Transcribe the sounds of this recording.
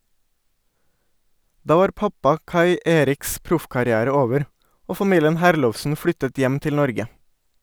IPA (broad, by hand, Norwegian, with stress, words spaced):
ˈdɑː ˈʋɑːɾ ˈpɑpɑ ˈkɑɪ ə ˈʔeːɾɪks ˈpɾʊfkɑɾɪˌæːɾə ˈoːʋəɾ ˈoː fɑˈmiːljən ˈhæːɾlɔʋsn̩ ˈflʏtət ˈjɛm ˈtɪl ˈnɔɾɡə